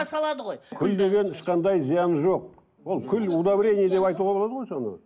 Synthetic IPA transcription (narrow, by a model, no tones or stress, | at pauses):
sɑlˠɑd̪əʁojkʲʰʏld̪e̞ɡʲe̞nɪʃqɑnd̪ɑjzijɑnʒo̞q̚ | wo̞lˠkʲʰʏlud̪abɾʲe̞nʲijəd̪e̞pɑjt̪uʁɑbolˠɑd̪əʁojso̞nə̰